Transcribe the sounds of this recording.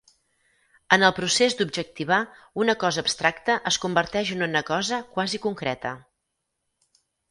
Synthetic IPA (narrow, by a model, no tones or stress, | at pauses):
ənəlˠpɾusezd̪ub̚ʒək̚t̪iβ̞a | unəkɔzəːpst̪ɾakt̪əʔəskumbəɾt̪ɛʒənonəkɔzəkwazikuŋkɾɛt̪ə̰